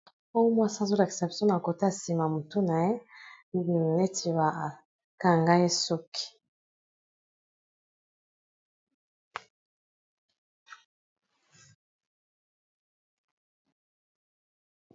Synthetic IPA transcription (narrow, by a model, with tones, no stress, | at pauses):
o˦jo˦mwa˦szo˦la˨kse˨psjɔ̃˦na˨ko˨ta˦˨si˨ma˨mo˨tu˦na˨e˦˨ | ne˦tʰi˨wa˨ | ka˨ŋɡa˦e˦so˦ki̥˨